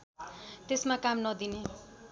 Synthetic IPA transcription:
t̪esmakamnʌd̪ine

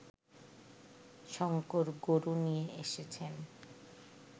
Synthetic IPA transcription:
ʃɔŋkoɾɡoɾunijeeʃet͡ɕʰen

